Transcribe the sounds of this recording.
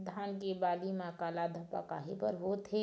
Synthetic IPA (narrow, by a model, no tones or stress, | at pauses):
d̪ʱaːnkebaːlimãkaːlad̪ʱəpa̰ka̰ːɦepəɾɦot̪ʰe